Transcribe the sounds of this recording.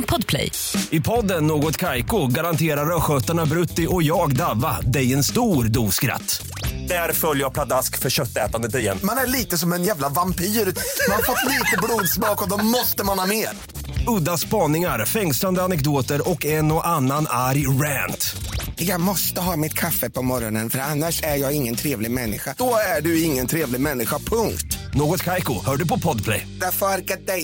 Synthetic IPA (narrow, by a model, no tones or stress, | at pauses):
pʰɔd̪pʰlɛ̰j | ɪpʰɔd̪ːənːoːɡɔt̪kʰajkʊɡaɾant̪ʰeːɾaɾœɧœt̪aɳabɾɵt̪ːɪʔɔjɑːɡd̪avːa̰d̪ɛjɛnst̪uːɾd̪uːskɾa̰t̪ː | d̪̥æɾfœljəjapʰlad̪askfœɾɕœt̪ːɛ̰ːt̪and̪ət̪ɪjɛ̰nːmanæɭiːt̪əsɔmɛnjæːvlavampʰiːɾmanafɔt̪ːliːt̪əbluːd̪smɑːkɔd̪ɔmɔst̪əmanhɑːmeːɾ | ɵd̪ːaspɑːnɪŋaɾfɛŋsland̪əanɛkd̪oːt̪əɾɔkːɛnɔʔanːanaɾjɾɛːnt̪jɑːɡmɔst̪əɦɑːmɪt̪kʰafːəpʰɔmɔɾɔnənfœɾanːaʂæɾjɑːɡɪŋːənt̪ʰɾeːvlɪɡmɛnːɪ̰ɧad̥̪ɔæɖɵɪŋːənt̪ʰɾeːvlɪɡmɛnːɪɧapʰɵŋkt̪noːɡɔt̪kʰajkʊhœːɖɵpɔpʰɔd̪pʰlɛ̰jd̪æɾfœɾaɾkat̪̚d̪ɛj